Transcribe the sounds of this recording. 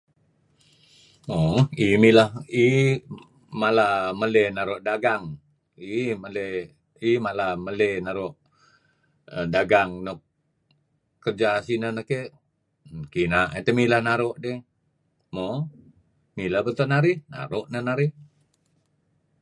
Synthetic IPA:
moimilahi | malaməlenaɾoʔdaɡaŋ | iməle | imalaməlenaɾoʔ | ədaɡaŋnok | kərd͡ʒasinənəkeʔ | kinaʔet̪əmilahnaɾoʔde | mo | milahbət̪onaɾɪhna̰ɾoʔnənaɾɪh

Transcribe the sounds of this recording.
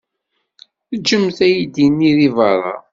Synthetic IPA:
θəd͡ʒəmθæjid̪inːiðivɑrˤːɑ̰

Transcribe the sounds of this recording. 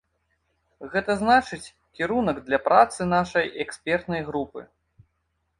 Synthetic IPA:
ɣɛt̪ɐznat͡ʂɨt͡sʲ | kʲiɾunɐɡd̪lʲɐpɾʔat̪sɨnaʂɐjɛksʲpʲɛrt̪nɐjɣɾupɨ̰

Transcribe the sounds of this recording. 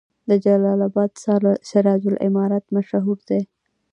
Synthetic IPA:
d̪əd͡ʒalɑlabɑd̪sʃaɾɑd͡ʒʊlʔɪ̰mɑɾat̪maʃaɦuɾd̪e

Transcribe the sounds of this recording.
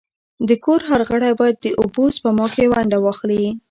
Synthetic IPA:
d̪əkoɾɦaɾɣəɽajbɑjad̪̚ːəʔʊbozpəmɑkewaɳɖawɑxli

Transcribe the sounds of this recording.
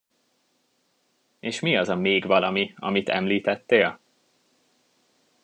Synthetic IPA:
eːʃmiɒzɒmeːɡvɒlɒmiɒ̰mit̪ʰɛ̰mliːt̪ɛt̪ːeːl

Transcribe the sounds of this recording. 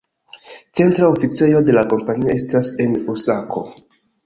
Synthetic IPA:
t͡se̞ntɾaofit͡se̞jo̞de̞lako̞mpanioestase̞nusakʰo̞̰

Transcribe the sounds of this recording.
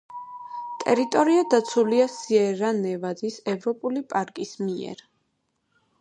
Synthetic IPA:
t̪ʼɛɾit̪ʼɔɾiad̪at̪sʰuliasiɛɾanɛvad̪isɛvɾɔpʼulipʼaɾkʼismiɛ̰ɾ

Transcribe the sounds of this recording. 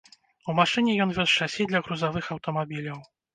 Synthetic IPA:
umaʂɨnʲɛjɔnvʲɔst͡ʂasʲid̪lʲɐɣɾuzavɨxɐwt̪ɔmabʲilʲɐw

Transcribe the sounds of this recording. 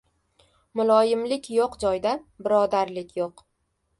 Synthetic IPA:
mʊlˠɒjɪmlɪkʲjoqd͡ʒɒjd̪abɪɾɒd̪aɾlɪkʲjoq

